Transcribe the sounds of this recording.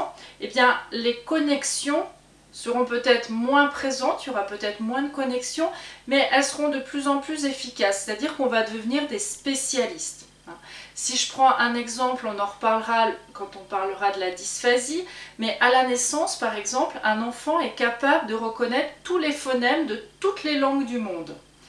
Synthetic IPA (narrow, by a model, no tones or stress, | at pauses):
ebjɛ̃lekɔnɛksjɔ̃ | səʁɔ̃pøt̪ɛt̪χmwɛ̃pχezɑ̃t̪jɔʁapøt̪ɛt̪χmwɛ̃d̪əkɔnɛksjɔ̃mɛʔɛlsəʁɔ̃d̪əplyzɑ̃plyzefikʲasːe̥t̪ad̪iʁkɔ̃vad̪əvəniʁd̪espesjalist̪ | ɛ̃siʒəpχɑ̃ʔɛ̃nɛɡzɑ̃plɔ̃nɑ̃ʁəpaʁləʁakɑ̃t̪ɔ̃paʁləʁad̪əlad̪isfazimɛʔalanɛsɑ̃spaʁɛɡzɑ̃plɛ̃nɑ̃fɑ̃ɛkapabləd̪əʁəkɔnɛt̪χət̪ulefɔnɛmd̪ət̪ut̪lelɑ̃ɡd̪ymɔ̃d̪